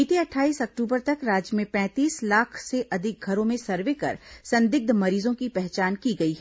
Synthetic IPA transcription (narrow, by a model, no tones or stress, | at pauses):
it̪iɐʈʰaːiːsɐk̚ʈuːbəɾt̪ɐkɾaːd͡ʒjəmẽpɛ̃ːt̪iːslaːkʰseʔɐd̪ʱɪk̚ɡʱɐɾõmẽsɐɾʋekɐ̰ɾsɐ̃nd̪ɪɡ̚d̪mɐɾiːzõkipɛɦt͡ʃaːnkiɡɐiɦɛ